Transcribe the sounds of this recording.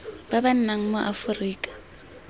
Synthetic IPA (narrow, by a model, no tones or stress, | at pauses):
baban̩naŋ̩mʊʔafʊriːkʼḁ